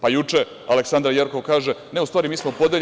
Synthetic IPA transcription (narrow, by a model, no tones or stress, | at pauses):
pajut͡ʃe | aleksand̪ɾajeɾko̞ʋkaːʒeneust̪aːɾimiːsmopo̞d̪eʎ